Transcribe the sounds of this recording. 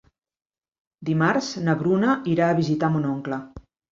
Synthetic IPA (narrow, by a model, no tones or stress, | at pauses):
d̪imaɾznəβɾunəʔiɾaːβizit̪amunoŋklə